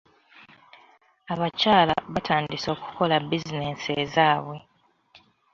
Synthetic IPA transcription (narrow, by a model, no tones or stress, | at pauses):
aβacaːla̰βatʰaːndiso̞ːku̥ko̞labizine̞sezaːβwe̞